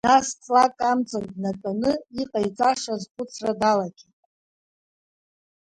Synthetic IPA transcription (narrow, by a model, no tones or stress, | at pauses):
nast͡sʼlakʼamt͡sʼandnatʼanɨiqʼajt͡sʼaʂazχʷʰʼʊt͡sʰradalaɡʲi